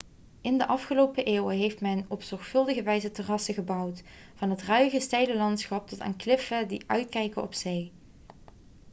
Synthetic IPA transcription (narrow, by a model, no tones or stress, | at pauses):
ʔɪndəʔɑfχəlowpəʔɪːwəɦejftmɛnɔpsɔɹχfɵlˠdəɣəʋɛjzətərɑsəχəbɑwt | fɑnɦətrœɥɣəstejləlɑntsχɑp̚tɔta̰ːnklɪfədiʔœɥtkɛjkəɔ̰psej